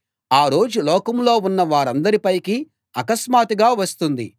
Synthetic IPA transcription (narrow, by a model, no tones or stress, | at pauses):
aːɾo̞ːd͡ʒulɔːkɐmlo̞ːunːɐʋaːɾɐnd̪ɐɾipɐjki | ɐkɐsmaːt̪iɡaːʋɐst̪und̪i